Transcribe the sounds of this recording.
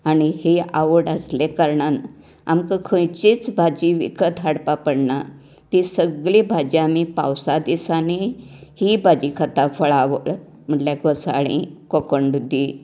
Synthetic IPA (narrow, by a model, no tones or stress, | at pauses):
aɽ̃iheʔaʋəɽəslekəɾɳan | a̰mkəkʰə̃jt͡ɕit͡sbʱad͡ʑiʋḭkət̪aɽpapəɽna | t̪isəɡɭibʱad͡ʑiamipa̰wsad̪isanihibad͡ʑikʰat̪afəɭaʋəɭ | m̤əʈljaɡɔsa̰ɽ̃ḭkɔkəɳɖud̪ʱːi